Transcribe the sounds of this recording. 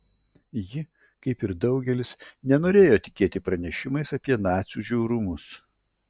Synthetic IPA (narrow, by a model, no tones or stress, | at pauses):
jɪ | kɐɪpɪɾd̪ɐʊɡʲɛlʲɪsnʲɛnoːɾʲeːjoːt̪ʲɪkʲeːt̪ʲɪpɾɐnʲɛʃʲɪmɐɪsɐpʲiɛnɑːt̪sʲuʒʲɛʊɾʊmʊs